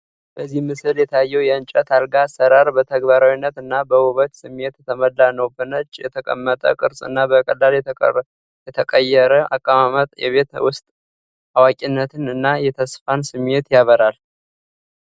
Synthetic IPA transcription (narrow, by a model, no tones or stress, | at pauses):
bəzːihmɨsɨljɛt̪ʰajːɛwjɛɨnt͡ʃʼət̪ʰalɡasəɾaɾbət̪ʰəɡbaɾawinːət̪ɨnːabəwʊβət̪sɨmːet̪jɛt̪ʰəməlːanəwbɨnət͡ʃʼjɛt̪ʰəkʼə̰mːət̪ʼə̰kʼɨɾsʼɨ̰nːabəkʼəlːal | jɛt̪ʰəkʼəjɛɾəa̰kʼːəmamət̪ʼjɛ̰βet̪wʊst̪ʼ | awakʼinːət̪ʰɨnɨnːajɛt̪ʰəsfansɨme̞t̪jaβəɾal